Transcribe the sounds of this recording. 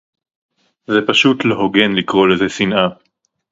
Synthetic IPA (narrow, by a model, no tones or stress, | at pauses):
zepaʃut̪leɦo̞ɡe̞nlikʁo̞lezesinʔa